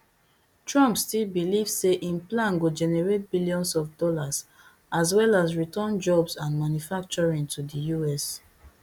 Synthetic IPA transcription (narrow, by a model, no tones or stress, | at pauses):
tʰɹɔ̃mpstilbilivseʔĩnplãnɡod͡ʒɛnɛɹet̚biljɔ̃nsɔfdɔlas | as̬wɛlazɹitɔ̃nd͡ʒɔbsãnmanjufak̚t͡ʃɔɹĩŋtʰudijuɛs